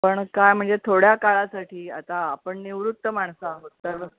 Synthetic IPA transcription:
pəɳkajm̤əɳd͡zet̪ʰoɽjakaɭasaʈʰiːa̰t̪aːpəɳniʋɾut̪ːəmaɳsaɦot̪ːəɾ

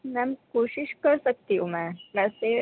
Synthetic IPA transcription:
mamkoɕiɕkəɾsək̚t̪iumamase

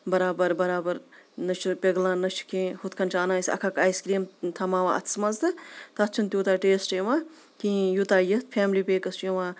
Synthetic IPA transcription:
bɐɾaːbɐɾbɐɾaːbɐɾnɐt͡ʃʰupʲeɡlãːnɐt͡ʃʰu̥kʰẽːhut̪kʰɐnt͡ʃʰaːnãːsʲɐ̰kʰɐkaːjskɾiːmt̪ʰɐmaːʋã̰ːʔɐ̰t̪ʰsmɐzt̪ɨt̪ɐt̪̚ʰt͡ʃʰunt̪ʲjuːt̪aːʈeːsʈeːʋãː | kĩːjut̪aːjɐt̪pʰɛːmlipeːkɐst͡ʃiʋaː

